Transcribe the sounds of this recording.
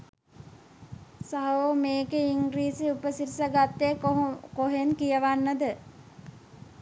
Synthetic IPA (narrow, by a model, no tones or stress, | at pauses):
saɦɐʋomeːkeiŋɡɾiːsiupəsiɾisaɡat̪ːekoɦenkijəʋanːəd̪ə